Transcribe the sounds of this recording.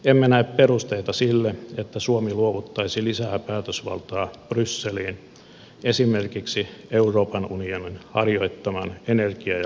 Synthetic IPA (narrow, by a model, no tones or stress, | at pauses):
emːenæepperust̪eit̪ɑsilːeet̪ːæsuomiluoʋut̪ːɑisilisæːpæːt̪øsʋɑ̰lt̪ɑːb̥rysːeliːn | esimerkiksieuroːpɑnunioninhɑrjo̞it̪ːɑmɑnenerkiɑ